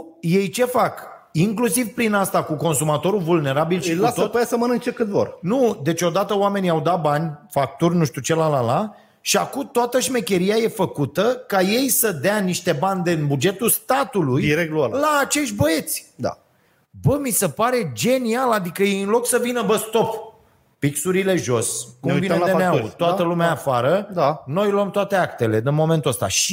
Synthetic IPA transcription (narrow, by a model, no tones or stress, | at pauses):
je̞jt͡ʃe̞fak | iŋklusivpɾinast̪akuko̞nsumat̪o̞ɾulvulne̞ɾabilʃikuat̪ot̪pəjasəmənɨŋk̚t͡ʃekɨt̪vo̰rnud̪e̞t͡ʃʲo̞d̪at̪əoame̞niawd̪at̪̚banʲfak̚t̪urʲnuʃt̪ut͡ʃe̞lalala | ʃiakumt̪oat̪əʃme̞kʲe̞ɾijaje̞fəkut̪əkaje̞jsəd̪eaniʃt̪e̞banʲd̪enbud͡ʒe̞t̪ust̪at̪ulujiɾek̪̚lallaːt͡ʃe̞ʃt̪ʲbəe̞t̪sʲd̪a̰ | bəmise̞paɾe̞d͡ʒe̞nialad̪ikəjeɨnlo̞ksəvinəbəst̪o̞pː | iksuɾile̞ʒo̞skuemvied̪eneat̪oat̪əlumeaːfaɾəd̪ano̞jloəmt̪oat̪e̞akt̪e̞le̞d̪inmo̞ment̪uəst̪a̰ʃi